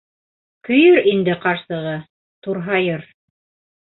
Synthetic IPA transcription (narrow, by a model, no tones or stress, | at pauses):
kɵ̆jɵɾind̪ɘqɑɾsɤ̆ʁɤ | t̪uɾɦɑjɤɾ